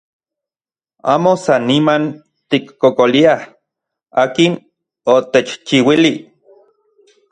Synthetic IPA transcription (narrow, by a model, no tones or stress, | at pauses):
a̰ːmosanːiman | t̪ikːokoliah | aːkin | ot̪et͡ʃt͡ʃiwili